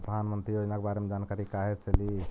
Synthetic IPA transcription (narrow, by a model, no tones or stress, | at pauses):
pɾəd̪ʱanmənt̪ɾijod͡ʒnakebaɾemed͡ʒankaɾikaɦet͡ʃəli